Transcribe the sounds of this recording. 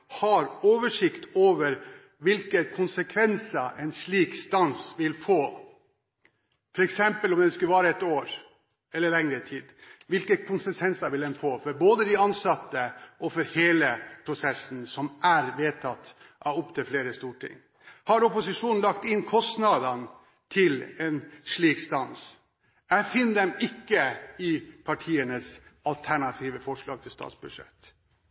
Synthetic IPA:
hɑɾoːʋəʂɪkt̪ʰoːʋəɾ | ʋɪlkəkʰʊnsəkʰʋɛnsəʔɛnʂɭiːkst̪ɑnsʋɪlfoː | fɔɾɛksɛmpəlɔmd̪ɛnskʉʋɑːɾəɛt̪oːɾ | ɛlːəɭɛŋɾət̪ʰiːd̪ʋɪlkəkʰʊnsəkʰʋɛnsɑʋɪld̪ɛnfoːfɔɾboːd̪əd̪ɪɑnsɑt̪ːəʔɔfɔɾheːləpʰɾʊsɛsn̩sɔmʔæɾʋeːt̪ʰɑt̪ː | ʔɑʋʊpt̪ʰɪlfleːɾəst̪uːʈʰɪ̰ŋː | hɑɾɔpʊsɪʂuːnn̩lɑkt̪ɪnkʰɔst̪nɑd̪ɑn | t̪ʰɪlɛnʂɭiːkst̪ɑns | æɪfɪnːd̪ɛmɪkːəɪpʰɑʈʰiːənəsɑlt̪ʰæɳɑt̪ʰiːʋəfɔʂɭɑːɡ̚t̪ʰɪlst̪ɑ̰ːt̪sbʉʂɛ̰t̪ː

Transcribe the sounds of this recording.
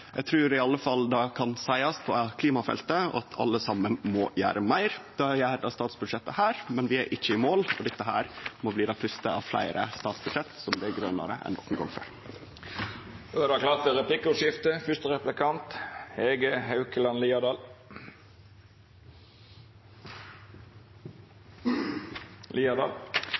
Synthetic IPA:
jɛ̰ɡt̪ʰɾʉːɾɪɑlːəfɑld̪ɑkʰɑnsæɪɑst̪pʰɔkʰliːmɑfɛ̰lt̪əɔ̰ɑt̪ʰɑ̰lːəsɑmːənmɔjæ̰ːɾəmæɪɾd̪̥ɑjæːd̪ɑst̪ɑːt̪sbʉd̪ʂɛt̪ːəhæːɾmɛnʋɪæɾʔɪçːəɪmoːlɔ̰d̪ɪt̪ːəɦæ̰ːɾmɔbliːd̪ɑfʰʉst̪əɑ̰ʋflæ̰ɪɾʔə̰st̪ɑːt̪sbʉd̪ʂɛt̪ːsɔmd̪ɛɡɾœnə̰ɾə̰ʔɛ̰nd̪ɔ̰kːənɡɔ̰ŋfø̰ɾ | oɛd̪ɑkʰlɑːt̪ʋɛɾɛplɪkːʊʂɪft̪əfʏst̪əʁɛplɪkʰɑnt̪heːɡəhɑʉkəlɑnliːɑd̪ɑl | lʔiːɑd̪ɑ̰ːl

